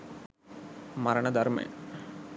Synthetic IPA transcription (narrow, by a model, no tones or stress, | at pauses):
maɾəɳəd̪aɾmḛj̰